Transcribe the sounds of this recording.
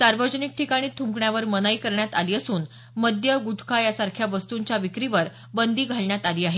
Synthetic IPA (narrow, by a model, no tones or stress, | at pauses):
saɾʋəd͡ʑənik̚ʈʰikaɽ̃iːt̪ʰuŋkɳjaʋəɾmənaikəɾɳjat̪aliːəsuːn | məd̪ʱjəɡuʈ̪ʰkʰajasaɾkʰjaʋəst̪uɲt͡ɕjaʋikɾiʋəɾ | bənd̪iːɡʱaɭɳjat̪aliːaɦe